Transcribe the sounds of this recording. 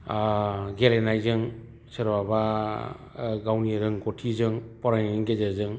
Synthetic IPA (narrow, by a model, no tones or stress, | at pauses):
ɡelenajzɯŋ | sɯɾbaba | ɡawniɾɯŋɡɔtʰizɯŋpɔɾajniŋɡezazɯŋ